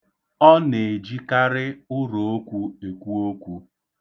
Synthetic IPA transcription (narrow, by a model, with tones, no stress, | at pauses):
ɔ˦ne˨d͡ʒi˦ka˦ɾɪ˦ʊ˦ɾo˨o˦kʷu˦e˨kʷu˦o˦kʷu˦